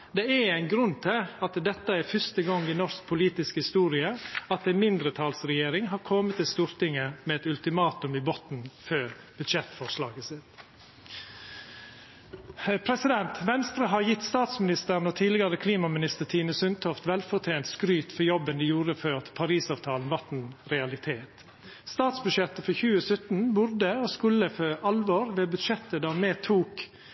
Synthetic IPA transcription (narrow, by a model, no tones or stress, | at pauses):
d̪ɛææɪnɡɾʉnt̪ʰɪɑt̪d̪ɛt̪ːəæɾfœst̪əɡɑŋːɪnɔsk̚pʰʊliːt̪ɪskhɪst̪uːɾɪəɑt̪æɪnmɪnd̪ɾət̪ʰɑːlsɾɛjeːɾɪŋɦɑːɾkʰɔmət̪ːɪlst̪uːɾt̪ɪŋəmɛɛt̪ʉlt̪ɪmɑːt̪ʉmɪbɔt̪nføːɾ | b̥ʉd̪ʃɛt̪fɔʂlɑːɡəsɪt̪ | pʰɾɛsɪd̪ɛnt̪ʋɛnst̪ɾɑɦɑɾjɪt̪ːst̪ɑːt̪smɪnɪst̪əɾnɔt̪ʰiːd̪lɪɡɑɾəkʰliːmɑmɪnɪst̪ət̪ʰiːnəsʉnt̪ʰɔft̪ʋɛlfɔt̪ʰjeːnt̪skɾyːt̪fɔjɔbənd̪ɛjuːɾəføːt̪pʰɑɾiːsɑːʋt̪ʰɑːln̩ʋɑt̪n̩ɾɛɑlɪt̪ʰeːt̪ | st̪ɑːt̪sbʉʃɛt̪əfɔçʉːəsœt̪n̩bʊɾd̪əoːskʉləføːʔɑlʋoːɾʋeːbʉd̪ʃɛt̪ːəd̪æːmeːt̪ʰuːk